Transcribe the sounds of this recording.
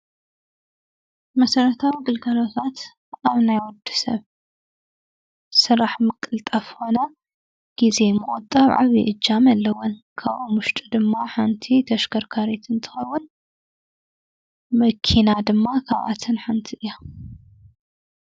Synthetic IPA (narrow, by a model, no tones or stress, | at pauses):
mɐsɐɾɐt̪ʰawiɡɨlkʰɐlot̪ʰat̪ | ʔaβnajwɔd̪ːi̥sɐ̰β | sɨɾaħmɨkʼɨlt̪ʼɐfxo̞nɐ | ɡ̥ize̞mɨʔʼɨt̪ʼːɐβʕa̰βḭʔɨd͡ʒːamɐlːɐwːɔnkʰaβʔomʊʃt̪ʼid̪ɨmːaħant̪ʰit̪ʰɐʃkʰɐɾkʰaɾit̪ɨnt̪ʰɨ̥xɐwːʊn | mɐkʰinad̪ɨmːakʰaβʔa̰t̪ʰɨnħant̪ʰiʔɨjːa